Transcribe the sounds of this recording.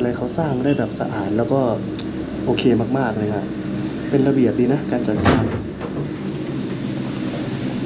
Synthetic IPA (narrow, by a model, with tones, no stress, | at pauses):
la˧jkʰa˧˩wsaː˥˩ŋɾa˧˥˧da˨˩p̚sa̰˧ʔaː˨˩t̪̚lɛː˦˥wkɔː˥˩ | ʔoː˧kʰeː˧maː˥˩k̚maː˥˩k̚la˧˩ŋa̰˧˩ | pe˧nɾa˧bi˨˩əp̚diː˧na˦˥kaː˧nt͡ɕa˨˩t̪̚kaː˧˩n